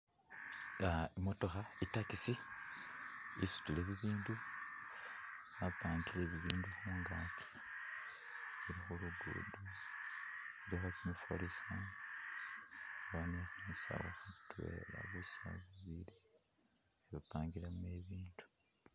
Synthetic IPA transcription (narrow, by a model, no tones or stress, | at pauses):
aimoto̞xaitakisi | isu̥tuleβiβiːndu | apaːŋɡileβiβiːnduxumuːŋɡaːtʰi̥ | βuɾixuluɡṵdo | ɾoxatimufo̰lisa | βaanetnisa̰waxutwe̞̰ːla̰βusa̰βuβili | eβapaːŋɡilemue̞βiːndu̥